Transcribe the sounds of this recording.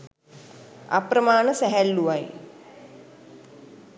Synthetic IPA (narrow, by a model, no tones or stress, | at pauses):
a̰pɾəmaːnəsæɦælːuʋaj